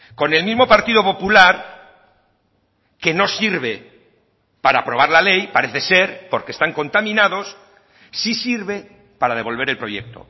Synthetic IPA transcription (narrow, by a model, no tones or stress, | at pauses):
ko̞ne̞lmizmo̞paɾt̪iðopo̞pulaɾ | ke̞no̞siɾβ̞e̞ | paɾapɾo̞β̞aɾlale̞jpaɾeθese̞ɾpo̞ɾkest̪aŋko̞nt̪amĩnaðo̞sː | isiɾβe̞ | paɾaðe̞β̞o̞lβ̞e̞ɾe̞lpɾo̞jek̚t̪o̰